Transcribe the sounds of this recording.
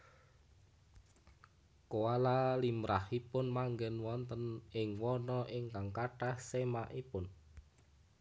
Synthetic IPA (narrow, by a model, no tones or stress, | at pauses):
koalalimɾahipʊnmaŋɡɛnwɔnt̪ənɪŋwɔnɔʔɪŋkaŋkaʈahsemaʔipʊn